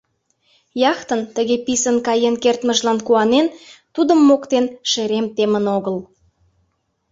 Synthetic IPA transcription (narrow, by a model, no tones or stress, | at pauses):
jɑxt̪ənt̪əɣepisənkɑjenkert̪məʒlɑnkuɑnent̪ud̪əmːokt̪enʃeɾemt̪emənoɣəl